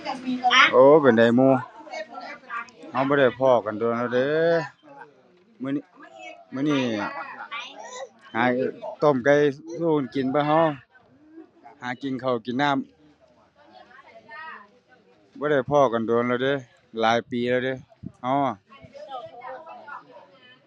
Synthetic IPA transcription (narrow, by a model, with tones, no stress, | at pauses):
ʔoː˧˦˨pe˨nda˨jmuː˧˩˨ | ha˧wbɔː˧˦ɾa˧˩jpʰɔː˧˩ka˨ndo˨ənla˧de˧˦ | mɯ˧˨˧mɯː˧˨niː˧˩ | haː˨˦t̪o˧˩˨mka˧˩jsuː˧˨ka˧˨˩nki˨npʰaː˧˦ɦa˧w | haː˨˦ki˨ŋkʰa˨˩wki˨nːaː˥˨m | bɔː˧˦ɾa˧˩jpʰɔː˧˩ka˨ndo˨nla˧˩wdeː˧˦ | laː˨˦jpiː˨˦laː˧wde˧˦ha˧˦